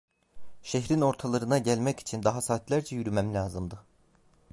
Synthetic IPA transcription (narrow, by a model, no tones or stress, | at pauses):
ʃeçɾino̞ɾt̪ʰɑlˠɯɾɯnɑɟælmæci̥t͡ʃʰind̪ɑɦɑsɑːt̪ʰlʲæɾd͡ʒɛjyɾymæmlʲɑːzɯmd̪ɯ